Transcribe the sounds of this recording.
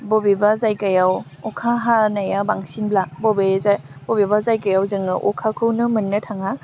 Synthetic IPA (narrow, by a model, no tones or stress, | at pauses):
bobibazajkajaw | ɔkʰaɦanajabaŋsinblabobeza | bobibazajkajawzɯŋɯʔɔkʰakʰɯwnɯmɯnːɯtʰaŋa